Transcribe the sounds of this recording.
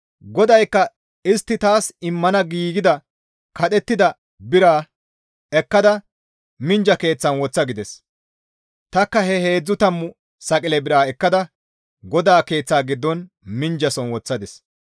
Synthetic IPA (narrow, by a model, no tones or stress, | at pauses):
ɡɔd̪ɐjkːɐ | ɪst̪ːɪt̪aːsɪmːɐnɐɡiːɡɪd̪ɐ | kɐɗ̪ɛt̪ːɪd̪ɐ | bɪɾaː | ɛkːɐd̪ɐ | mɪnd͡ʒɐke̞ːt͡sːɐnwɔt͡sːɐɡɪd̪ɛs | t̪ɐkːɐhɛhe̞ːd͡zːʊt̪ɐmːʊ | sɐkʼɪlɛbɪɾaːɛkːɐd̪ɐ | ɡɔd̪aːke̞ːt͡sːaːɡɪd̪ːɔn | mɪnd͡ʒɐsɔnwɔt͡sːɐd̪ɛs